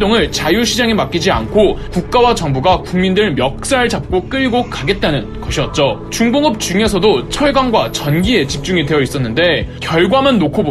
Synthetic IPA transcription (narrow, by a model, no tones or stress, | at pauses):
t͈oŋɯɭt͡ɕajuɕʰid͡ʑaŋemak̚k͈id͡ʑia̰nkʰokuk̚k͈awat͡ɕʌŋbuɡakuŋmindɯɭmjʌk̚s͈aɯɭd͡ʑap̚k͈ok͈ɯɭɡokaɡe̞t̚t͈anɯnɡʌɕʰiʌt̚t͡ɕ͈ot͡ɕuŋboŋɯp̚t͡ɕuŋe̞sʰʌdot͡ɕʰʌɭɡaŋɡwat͡ɕʌnɡie̞t͡ɕip̚t͡ɕ͈uŋide̞ʌis͈ʌnːɯnde̞kjʌɭɡwamɯnːokʰobo